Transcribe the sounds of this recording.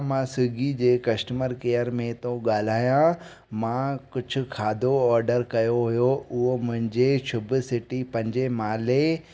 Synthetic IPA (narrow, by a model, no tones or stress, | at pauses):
mãːsɪɡid͡ʑeːkɐsʈəməɾkeːəɾmẽt̪õɠaːl̤aːjã | mãkʊd͡ʑʱʊ̆kʰaːd̪ʱoɔːɾɖəɾkɐjoɦʊjoʊɦomʊ̃ɦɪ̃ɲd͡ʑesʰʊbɪsɪʈipɐ̃ɦɪɲd͡ʑemaːle